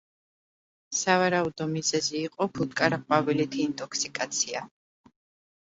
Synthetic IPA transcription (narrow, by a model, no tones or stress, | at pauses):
savaɾaud̪ɔmizɛziːqʼɔpʰut̪̚kʼaɾaqʼwavilit̪ʰiːnt̪ʼɔkʰsikʼat̪sʰia